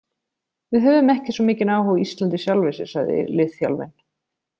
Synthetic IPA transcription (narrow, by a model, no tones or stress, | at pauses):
vɪðɦœvʏmɛhcɪsvɔmɪːcɪnaːwɦɔɣist̪lant̪ɪsjawlvɪsɪ̥saɣðɪ̰lɪðfja̰lvɛ̰n